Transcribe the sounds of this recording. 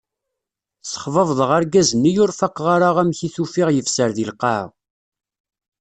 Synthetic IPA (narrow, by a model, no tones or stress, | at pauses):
sə̥χvəvðˤəʁaɾɡæzənːijʊɾfaqːʁaɾaʁæmçiθufiʁjəfsəɾðilqɑʕʁ